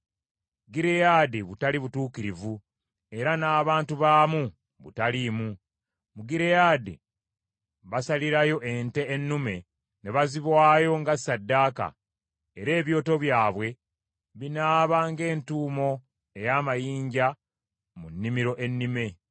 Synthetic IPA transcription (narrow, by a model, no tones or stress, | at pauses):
ɡiɾejaːdiβutaliβutuːkiɾivu | e̞ɾanaːβaːntuβaːmu | βṵtalimu | muɡiɾejaːdḭ | βasaliɾajo̞ʔe̞nte̞ːnːume̞ | ne̞βaziβwaːjo̞ŋɡasːadːaːka̰ | eɾe̞ːβjo̞ːto̞βjaːβwe̞ | βinaːβaːŋɡe̞ːntuːmo̞ | e̞jaːmajiːɲɟa | munːimiɾo̞ʔe̞nːime̞